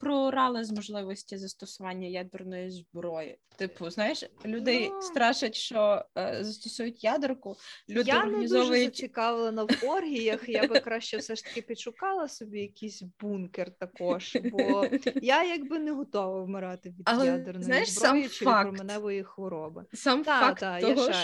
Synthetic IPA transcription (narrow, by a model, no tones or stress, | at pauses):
pɾɔʊɾɑlˠɪzmɔʒlˠɪʋɔsʲtʲizɐst̪ɔsʊʋɑnʲːɐjad̪ɪrnɔjizbɾɔjɪ̰t̪ɪpʊznɑjɪʃlʲud̪ɛjst̪ɾɑʃɐtʲʃt͡ʃɔzɐst̪ɔsujʊtʲjad̪ɪrkʊlʲud̪janɛɪd̪zɔʒʋɔt͡ʃɪkɑʋɪlˠɐnɐwɔrɦʲijɐxjabɪkɾɑʃt͡ʃɛfsɛʃt̪ɐ̥kʲɪpʲidʃʊkɑlˠɐsɔbʲijɐkʲijsʲbunkert̪ɐkɔʒbɔjajɐɡbɪnɛɦɔt̪ɔʋɐwmɪɾɑt̪ɪʋʲid̪ɐlˠɛjad̪ɪrnzɔnjjɪʃzbɾamjɪt͡ʃɪfakɾɔmenɛʋɔjixʋɔɾɔbɪsamfaktd̪aj̪ɔɦ